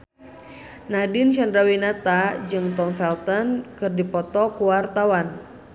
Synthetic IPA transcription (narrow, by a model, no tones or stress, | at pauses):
nadinʃandɾawinat̪ad͡ʒɨŋt̪ɔnfɛlt̪ɔnkɨrdipɔt̪ɔkuwart̪awan